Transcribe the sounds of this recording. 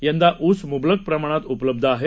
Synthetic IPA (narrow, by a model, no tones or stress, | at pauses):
jãnd̪aʔut͡smublək̚pɾəmaɽ̃at̪upləb̚d̪ʱəaɦe